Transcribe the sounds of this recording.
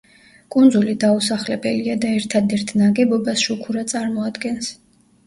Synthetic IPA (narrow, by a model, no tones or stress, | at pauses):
kʼund̪zulid̪ausaχlɛbɛliad̪aɛɾt̪ʰad̪ɛɾt̪ʰnaɡɛbɔbasʃukʰuɾat̪sʼaɾmɔad̪ɡɛns